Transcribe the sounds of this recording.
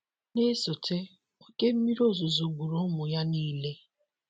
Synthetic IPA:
ne˦so˨tʰe˦ | o˦ke˦m̩˦mi˦ɾo˦˨zo˨zo˨ɡʷu˨ɾo˦mʊ˨ja˦niː˦le˦

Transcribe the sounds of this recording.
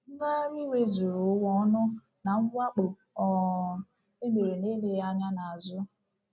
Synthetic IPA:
ŋ̩˦ɡa˦ɾi˦we˦zu˨ɾu˨˦wɔ˦nʊ˦ | na˨ŋ̩˦ɡʷa˦k͡po˨p | ɔ˨ | e˦me˨ɾe˨ne˦le˦ja˦ɲa˦na˨a˨zʊ˦

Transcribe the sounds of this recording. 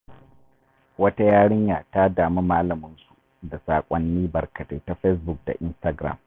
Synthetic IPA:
wɐ˦ta˦jaː˦ɽɪ˦ɲjaː˨ta˦daː˨mi˦maː˦lɐ˨mʊ˦nsu˨ | da˨saː˨kʷʼɔ˦nːiː˦bɐ˨rkɐ˨te˨ta˦ɸe˦s̬bʊ˨k̚da̰˨ʔɪ˦nstɐ˨ɡɾa̰˨m

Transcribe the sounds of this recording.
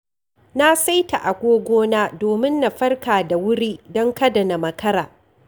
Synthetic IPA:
na˦sa˦jta̰˨ʔa˨ɡʷoː˦ɡʷoː˦naː˦doː˨mɪ˦nːa˨ɸɐ˦rkaː˨da˨wʊ˦ɽiː˦dɔ˦ŋkɐ˦dɐ˨na˨mɐ˨kɐ˦ɾaː˨

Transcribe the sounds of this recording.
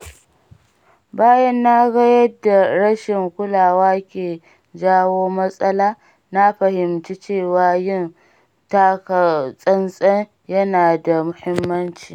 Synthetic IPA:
baː˦jɐ˦nːa˦ɡɐ˦jɐ˦dːa˨ɽɐ˦ʃɪ˨ŋkʷʊ˦laː˨waː˦kʲeː˨ | d͡ʒaː˦woː˦mɐ˦sʼɐ˦laː˦ | na˦ɸɐ˨hɪ˨mt͡ʃi˦t͡ʃeː˦˨waː˦jɪ˦n | ta˦ksʼɐ˦nsʼɐ˦n | jɐ˦naː˨da˨mʊ˦hɪ˦mːɐ˦nt͡ʃiː˨

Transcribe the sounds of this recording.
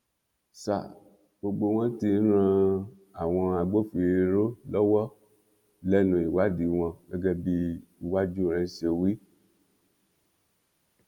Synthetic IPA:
sa̰˨ | ɡ͡bo˧ɡ͡bo˧w̃ɔ̃˦ti˧n̩˦ɾ̃ã˧ | a˨w̃ɔ̃˧a˧ɡ͡bo˦fi˨ɾe˧ɾo˦lɔ˦wɔ˦ | lɛ˦nũ˧i˨wa˨˦di˨˦w̃ɔ̃˧ɡɛ˦ɡɛ˦bi˦i˧wa˦d͡ʒu˦˨ɾɛ̃˧˦ʃe˧wi˦

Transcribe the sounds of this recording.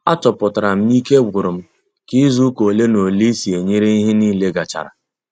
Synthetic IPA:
a˦tɔ˨pʊ˨ta˨ɾa˨m̩˦mi˦ke˦ɡʊ˨ɾʊ˨m̩˦ | ki˦zu˦ko˨le˦no˨li˦si˨e˨ɲe˦ɾi˦i˦ɦɪ˦ni˦le˦ɡa˨t͡ʃa̰˨ɾa̰˨

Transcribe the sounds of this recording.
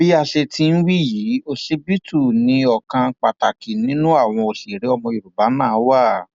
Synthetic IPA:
bi˦a˧ʃe˧tĩ˧n̩˦wi˦jiː˨˦o˧ʃe˦bi˦tu˦˨nĩ˧˦ɔ˨kã˧k͡pa˨ta˨ki˨nĩ˦nũ˦a˦˨w̃ɔ̃˧o˨si˨ɾe˨˦ɔ˧mɔ̃˧i˨ɾu˨ba˨˦nãː˦˨˦wa˦˨

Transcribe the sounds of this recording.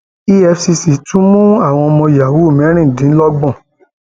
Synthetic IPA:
i˦ɛ˧fsi˧si˨tũ˨˦mũ˦a˦˨w̃ɔ̃˧ɔ˧mɔ̃˧ja˨wu˨˦˨mɛ̃˨˦ɾ̃ĩ˦˨dĩ˨˦lɔ˦ɡ͡bɔ̃˦˨

